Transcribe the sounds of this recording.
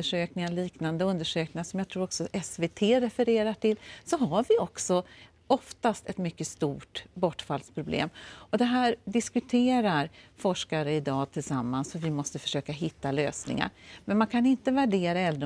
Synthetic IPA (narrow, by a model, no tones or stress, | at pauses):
əʂøːknɪŋaliːknand̪əɵnd̪əʂøːknɪŋaʂɔmjat̪ʰɾuːɾɔksɔʔɛsveːt̪ʰeːɾɛfəɾeːɾaʈʰɪlsɔɦaɾvɪɔksɔ | ɔft̪ast̪ɛt̪mʏkːəst̪uːʈbɔʈːfald̪spʰɾʊblḛːmɔd̪ɛɦæːɾɖɪskɵt̪ʰeːɾaɾfɔʂkaɾəɪd̪ɑːt̪ʰɪlsamːansfœɾvɪmɔst̪əfœ̥ʂøːkaɦɪt̪ːaløːsnɪ̰ŋa̰ɾmɛnmankʰanɪnt̪əvæɖeːɾaɛld̪ɾ